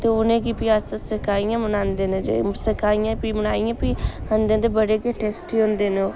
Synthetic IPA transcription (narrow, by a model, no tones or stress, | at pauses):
t̪eːʊnẽːkiːpiaːsəsəkaːijãːmənaːnd̪eːnẽd͡ʒḛsəkaːijãːpiːmənaːijãːpiːand̪ẽːd̪eːbəɽeːkeʈɛːsʈiɦõːnd̪eːneoː